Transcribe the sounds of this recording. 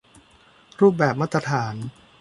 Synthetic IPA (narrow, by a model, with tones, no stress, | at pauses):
ɾuː˥˩p̬̚bɛː˨˩p̚maː˥˩t̪ːɾa˧t̪ʰaː˩˦n